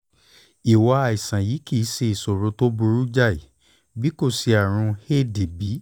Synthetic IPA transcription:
i˨wa˧a˨i˨sã˨jiː˨˦ki˦˨˦se˧i˨so˨ɾũ˨˦to˦bu˧ɾu˦d͡ʒa˦˨i˨ | bi˦ko˦˨si˧a˨ɾ̃ũ˧he˦˨de˨bi˨˦

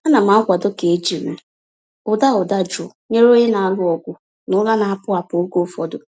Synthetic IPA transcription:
a˦na˨ma˨˦kʷa˨dʊ˦ke˨e˦d͡ʒi˨me˨ | ʊ˨da˦ʊ˨da˦d͡ʒʊ˨ɲe˦ɾo˦ɲe˦na˨a˨lʊ˦ɔ˨ɡʷʊ˨ | nʊ˦la˦na˨a˦˨pʊ˦a˨po˨o˦ɡo˦fɔ˨dʊ˨

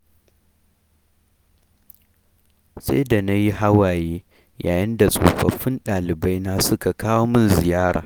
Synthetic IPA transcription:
sa̰˦jda˨na˦ji˦ɦa˦waː˨jeː˦ | ja̰ː˨jɪ˦nda˨sʼo̰ː˨ɸɐ̰˨ɸɪ˦nɗaː˨lɪ˨ba˦jna˦sʊ˦ka˨kʰaː˦woː˦mɪ˦nzɪ˨jaː˦ɽa̰ː˨

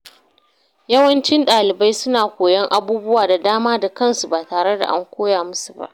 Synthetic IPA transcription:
jɐ˦wɐ˦nt͡ʃɪ˦nɗaː˨lɪ˨ba˦jsʊ˦naː˨kʷoː˨jɐ˦ŋʔa˦buː˦bʊ˦waː˨da˨daː˦maː˦da˨kɐ˦nsu˨baː˨taː˨ɽe˦da̰˨ʔa̰˦ŋkʷoː˦jaː˨mʊ˦su̥˨ba̰˦ʔ

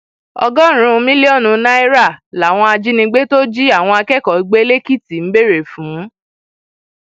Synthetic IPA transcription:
ɔ̰˧ɡɔ˦ɾ̃ũ˧mĩ˦li˦ɔ˦˨nũ˧nã˦i˦ɾa˦˨la˨w̃ɔ̃˧a˧d͡ʒi˦nĩ˧ɡ͡be˦to˦d͡ʒi˦a˦˨w̃ɔ̃˧a˧kɛ˦˨kɔ˨i˨˧ɡ͡be˦le˦ki˦˨ti˨m̩˦be˦˨ɾe˨fũ˨˦

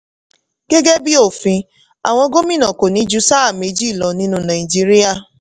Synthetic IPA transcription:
ɡ̥e˦ɡe˦bi˦o˦˨fĩ˧ | a̰˨w̃ɔ̃˧ɡo˦mĩ˦nɔ̃˨ko˨nĩ˨˦d͡ʒu˦sa˦a˦˨me˧˦d͡ʒi˦˨lɔ˨nĩ˦nũ˧˦na˨i˨d͡ʒi˦ɾi˦a˦˨

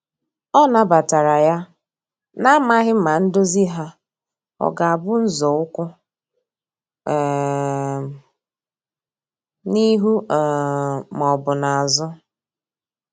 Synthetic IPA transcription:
ɔ˦na˨ba˨ta˨ɾa˨ja˦ | na˦ma˦ɦɪ˦m̩˦ma˨n̩˦do˦zi˦ɦa˦ | ɔ̰˨ɡa˨a˨bʊ˦n̩˦zɔ˨ʊ˦kʷʊ˦ | ɛ˨ | ni˦ɦu˦˨ | m˨ɔ˨bʊ˨na˨a˨zʊ˦

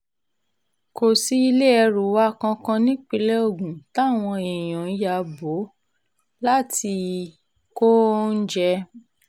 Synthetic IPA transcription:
ko˨si˦i˧le˦ɛ˧ɾu˨wa˦˨kã˧kã˧nĩ˦k͡pi˧lɛ˦o˦˨ɡũ˨ta˨˦˨w̃ɔ̃˧e˨j̃ɔ̃˨˦ja˧˦bo˨˦ | la˦ti˧ | ko˦n̩˦d͡ʒɛ˧

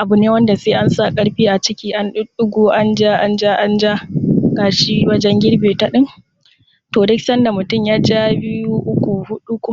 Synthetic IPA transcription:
ʔa˨bʊ˨neː˦wɐ˦nda˨seː˦ʔa˦nsa˦˨kʼɐ˦ɽɸiː˦ʔa˨t͡ʃɪ˦kʲiː˦ʔa˦nɗʊ˦ɗʊ˦ɡʷoː˦ʔa˦nd͡ʒa˦ʔa˦nd͡ʒa˦ʔa˦nd͡ʒa˦ɡaː˨ʃi˦wɐ˦d͡ʒɛ˦ŋɡʲɪ˦ɽbeː˨ta˦ɗɪ˦n | toː˨dɪ˦ksɐ˦nda˨mʊ˨tʊ˦˨mjaː˦d͡ʒa˦bɪ˦ju˦ʔʊ˦kʷu˨hʊ˦ɗu˦kʷʊ˦

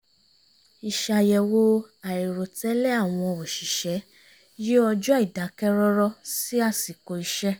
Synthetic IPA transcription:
i˧ʃa˧jɛ˧wo˦a˨i˨ɾo˨tɛ˦lɛ˦a˦˨w̃ɔ̃˧˨o˨ʃi˨ʃɛ˨˦ | ji˦ɔ˧d͡ʒɔ˦i˦˨da˨˦kɛ˦ɾɔ˦ɾɔ˦si˦a˦˨si˨ko˧i˧ʃɛ˦

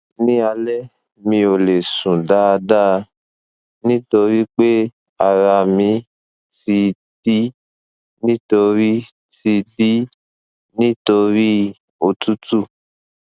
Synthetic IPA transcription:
nĩ˦a˧lɛ˦ | mĩ˧o˨le˨sũ˨da˦˧da˦˧ | nĩ˦to˧ɾi˦k͡pe˦ | a˧ɾa˧˨mĩ˧ | ti˧ | d̥i˦ | nĩ˦to˧ɾi˦ | ti˧di˦ | nĩ˦to˧ɾi˦ | o˧tu˦tu˦˨

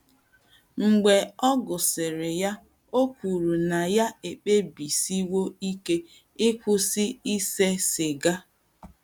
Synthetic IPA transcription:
ŋ͡m̩˨ɡ͡be˨ɔ˦ɡʊ˨sɪ˨ɾɪ˨ja˦ | o˦kʷu˨ɾu˨na˨ja˦e˨k͡pe˦bi˨si˦wo˦i˦ke˦ | ɪ˦kʷʊ˦si˦i˦se˦sɪ˨ɡa˦

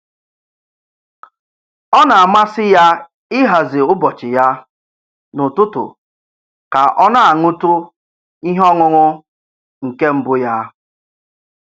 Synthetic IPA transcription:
ɔ˦na˨a˨ma˦sɪ˦ja˦ | ɪ˦ɦa˨zɪ˨ʊ˦bɔ˨t͡ʃɪ˨ja˦ | nʊ˨tʊ˦tʊ̰˨ | ka˨ʔɔ˦na˦a˨ŋu˦tʊ˦ | i˦ɦɔ˦ŋʊ˦ŋʊ˦ | ŋ̩˨ke˦m̩˦bʊ˦ja˦

